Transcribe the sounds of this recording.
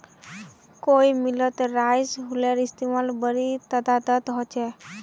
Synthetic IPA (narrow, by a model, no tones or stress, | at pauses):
koimilɔt̪ɾajsɦuleɾist̪imalbəɾit̪əd̪ad̪ət̪ɦɔt͡ʃɛ